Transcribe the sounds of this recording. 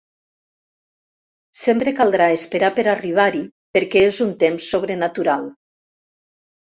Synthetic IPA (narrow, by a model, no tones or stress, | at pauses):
sempɾekalˠd̪ɾaespeɾapeɾariβ̞aɾipeɾkɛezunt̪emsːoβ̞ɾenat̪uɾalˠ